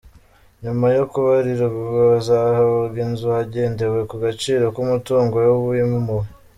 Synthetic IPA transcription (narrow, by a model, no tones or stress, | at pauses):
ɲumajokuβaɾiɾoβuɡozahaoɡinzuhaɟeːnde̞we̞kuɡat͡ʃiːɾo̞kumutuːŋɡo̞joβuimumu